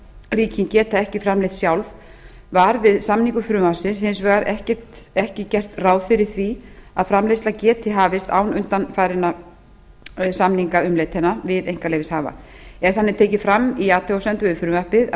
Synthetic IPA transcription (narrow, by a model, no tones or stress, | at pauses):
riːcʰincɛːt̪aɛhcɪfɾamlejht̪sjawlv | vaɾvɪðsamniŋkʏfɾʏːmasɪnshɪns̬vœɣaɾʔɛhcɛr̥t̪ɛhcɪcɛr̥t̪raːwðfɪɾɪɾ̥θviaðfɾamlejst̪lacɛːt̪ʰɪɦaːvɪst̪a̰ːwnʏnt̪anfaːjɾɪna | samniŋkaʏmleːjt̪hɛnːavɪðejŋkalejvɪshaːva̰ | ɛɾ̥θanːɪt̪ʰeːjcɪfɾamːiaːt̪ʰɛɔsɛnt̪ʏvɪfɾʏmvaɾpɪð